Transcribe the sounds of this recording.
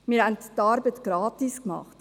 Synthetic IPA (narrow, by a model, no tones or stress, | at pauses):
miːɾhɛnttːɑɾbətɡ̥ɾɑːtiskmɑ̰χt